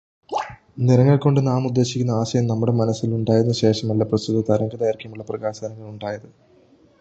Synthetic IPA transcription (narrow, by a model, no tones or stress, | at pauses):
niɾɐŋːɐɭko̞ɳɖɨnaːmud̪ːe̞ːɕikʲːunːɐaːɕɐjɐmnɐmːuɽemɐnɐsːiluɳɖaːjɾunːuɕe̞ːʂɐmɐlːɐprɐst̪uðːɐt̪ɐɾɐŋɡɐðaːjiɾkʲːɐmuɭːɐprɐɣaːsɐaːnɐŋːɐɭuɳɖaːjɐðɨ